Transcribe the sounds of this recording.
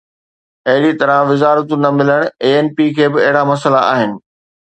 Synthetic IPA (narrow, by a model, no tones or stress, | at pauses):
ɐɦɪɽit̪ɐɾəʋɪzaːɾət̪ũnɐmɪləɽ̃eːeːnpikʰeːbɪɐɦɪɽamɐsəlaa̰ːɦɪnɪ̆